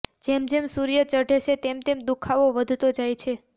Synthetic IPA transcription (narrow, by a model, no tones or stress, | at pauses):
d͡ʒemd͡ʒemsuɾjət͡ʃəɖʱeʃet̪emt̪emd̪ukʰaʋoʋəd̪ʱt̪od͡ʒajt͡ʃʰe